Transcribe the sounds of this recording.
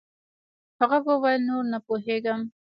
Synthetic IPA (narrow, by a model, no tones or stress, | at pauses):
haʁabəwajnoɾnapoɦeɡam